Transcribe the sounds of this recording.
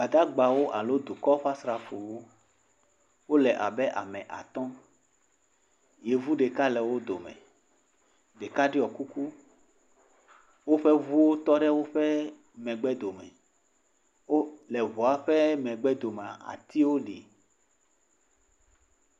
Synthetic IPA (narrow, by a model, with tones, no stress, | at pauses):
ba˨d̪a˦ɡ͡ba˨wo˦ʔa˨lo˦d̪u˨kɔ˦ɸa˦sɾa˨fo˨wo˦ | wo˦lɛ˨ʔa˨bɛ˦ʔa˨mɛ̃˨ʔa̰˨t̪ɔ̃˦ | je˨vu˦ɖe˨ka˦lɛ˨wo˦d̪o˨mɛ̰̃˨ | ɖe˨ka˦ɖi˦ɔ˨ku˦ku˦ | wo˦ɸɛ˦vu˦wo˦t̪ɔ˦ɖɛ˦wo˦ɸɛ˦ | mɛ̃˨ɡ͡bɛ˦d̪o˨mɛ̰̃˨ | wo˦lɛ˨βɔ˨a˦ɸɛ˦mɛ̃˨ɡ͡bɛ˦d̪o˨m˨a˨a̰˨t̪i˦wo˦ɖi˨